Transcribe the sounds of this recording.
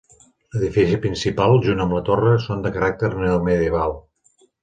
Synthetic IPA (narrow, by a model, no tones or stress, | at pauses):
ləðifisipɾinsipalˠʒunəmlət̪orəsond̪əkəɾak̚t̪əɾneməðjəβalˠ